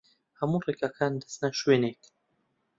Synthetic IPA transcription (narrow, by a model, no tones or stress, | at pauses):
hamurekakʰaːnd̪ə̥snaʃweːnet̪